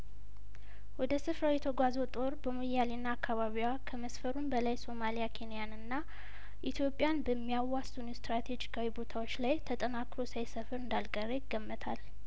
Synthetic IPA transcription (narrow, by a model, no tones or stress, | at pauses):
wɔd̪əsɨfɾawjɛt̪ʰəɡʷazo̞t̪ʼo̞ɾbəmojalinːaːkːaβaβiwakʰəməsfəɾunbəlajso̞malijakʰe̞nijanɨnːa | ʔit̪ʰjo̞pʼːjanbəmːijawːasʼunust̪ɾat̪ʰe̞d͡ʒikʰawibo̞t̪ʰawo̞t͡ʃːlajt̪ʰət̪ʼənakɾo̞sajsəfɨɾɨnd̪alkʼəɾəjɪɡːəmːət̪ʰal